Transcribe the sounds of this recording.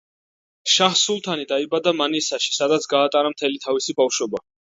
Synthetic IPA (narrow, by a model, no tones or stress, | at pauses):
ʃaχsulˠt̪ʰanid̪aibad̪amanisaʃi̥sad̪at̪sʰɡaːt̪ʼaɾamt̪ʰɛlit̪ʰavisibafʃɔba